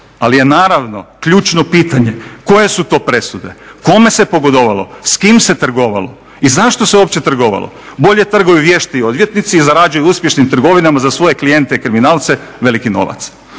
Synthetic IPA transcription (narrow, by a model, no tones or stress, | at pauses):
alije̞naːɾaʋno̞kʎuːt͡ʃno̞piːt̪aɲe̞ko̞je̞sut̪o̞ːpɾe̞sud̪e̞ko̞me̞se̞po̞ɡod̪oʋalo̞̰skimse̞t̪r̩ɡo̞ʋa̰lo̞̰ | izaʃt̪o̞seop̚t͡ɕe̞t̪r̩ɡo̞ʋa̰lˠo̰bo̞ʎe̞t̪r̩ɡojuʋje̞ʃt̪ajo̞d̪ʋje̞t̪nit̪siːzaɾad͡ʑujuuspje̞ʃnimt̪r̩ɡo̞ʋinamazasʋo̞je̞klije̞nt̪eikɾiminaːlˠt̪seʋe̞likino̞̰ʋa̰t̪s